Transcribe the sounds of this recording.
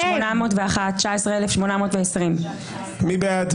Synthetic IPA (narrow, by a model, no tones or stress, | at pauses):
ʃmonamo̞ːtveaχat̚t͡ʃaesʁeelefʃmo̞namo̞ːtveesʁim | mibead